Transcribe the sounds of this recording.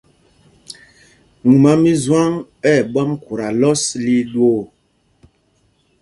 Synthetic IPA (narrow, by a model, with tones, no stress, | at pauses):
ŋu˨ma˨mi˦zwa˦ŋpɛ˦˨ɓɔ˦mku˨ɾa˨lɔ˦sli˦ɗo˦